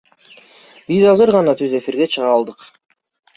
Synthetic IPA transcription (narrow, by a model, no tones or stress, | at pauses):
bizɑzɯɾʁɑnɑt̪ʰyze̞fiɾɡe̞t͡ʃʰɯʁɑlˠd̪ɯq